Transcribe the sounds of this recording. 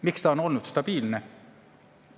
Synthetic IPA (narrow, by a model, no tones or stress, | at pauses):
mikst̪ɑono̞lnut̪st̪ɑb̥iːlne